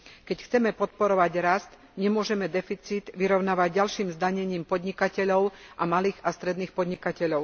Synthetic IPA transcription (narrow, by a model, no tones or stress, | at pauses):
kɛcxt͡sɛmɛpɔt̪̚pɔɾɔʋaɟɾast̪ | ɲɛmʊɔʒɛmɛd̪ɛfit͡siːt̪ʋiɾɔʊnaːʋaɟːalʃiːmzd̪aɲɛɲiːmpɔd̪ɲikacɛʎɔʊʔamaliːɣast̪ɾɛd̪niːxpɔd̪ɲikacɛʎɔʊ